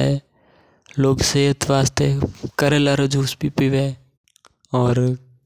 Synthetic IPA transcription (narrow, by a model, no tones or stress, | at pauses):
ɛ | loːɡseːɦət̪ʋaːst̪ekəɾelaɾɐd͡ʒuːspipiʋe | ɔːɾ